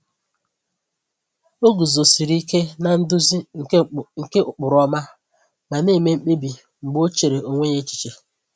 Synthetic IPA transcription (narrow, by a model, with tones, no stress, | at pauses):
o˦ɡu˨zo˨si˨ɾi˦ke˦na˨n̩˦dʊ˦zi˦˨ŋ̩˨e˦ʊ˨k͡pʊ˨ɾɔ˦ma˦ | ma˨neː˦˨me˦m̩˦k͡pe˦bi˨ | ŋ͡m̩˨ɡ͡bo˦t͡ʃe˨ɾe˨o˨ŋʷe˦ɲe˦t͡ʃi̥˦t͡ʃe˨